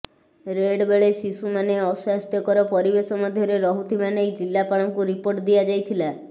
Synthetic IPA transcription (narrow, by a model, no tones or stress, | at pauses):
ɾeɖbeɭesisumaneɔsast̪jɔkɔɾɔpɔɾibesɔmad̪ʱjɔɾeɾɔɦut̪ʰimanejd͡ʒilːapaɭɔŋkuɾipoɾʈd̪iad͡ʒajt̪ʰila